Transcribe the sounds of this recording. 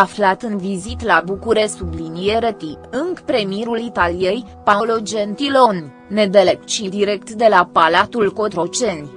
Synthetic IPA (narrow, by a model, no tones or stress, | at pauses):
aflat̪ɨnvizit̪labukuɾe̞ssublinijeɾət̪iɨŋkpɾe̞mijeɾulit̪alijej | paolod͡ʒent̪ilo̞nː | e̞d̪elep̚t͡ʃild̪iɾe̞kt̪d̪e̞lapalat̪ulko̞t̪ɾo̞t͡ʃe̞nʲ